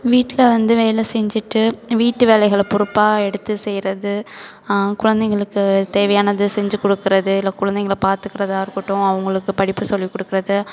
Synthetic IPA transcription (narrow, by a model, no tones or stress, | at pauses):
ʋiːʈːɪlɐʋɐnd̪ɯʋɛjɪlɐsɛɲd͡ʒɪʈːɯʋiːʈːɯʋeːlɐɪɣɐɭpʊɾʊpːaːɣɐɛɽɯt̪ːɯsɛjɾɐðɯ | kʊɻɐnd̪ɛŋɡɐɭɯkːɯt̪eːʋɐjaːnɐðɯsɛɲd͡ʒɯkɔɽɯkːɪɾɐðɯɪlːɐkʊɻɐnd̪ɛŋɡɐɭpaːɾt̪ɯkːɪɾɐðaːɪɾɯkːɯʈːʊ̃ɐʋɐŋɡɐɭɯkːɯpɐɽɪpːɯsɔlːikːɔɽɯkːɪɾɐðɯ